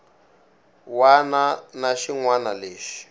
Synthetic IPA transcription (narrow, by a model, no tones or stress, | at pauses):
wananaʃiŋwanaleːʃi̥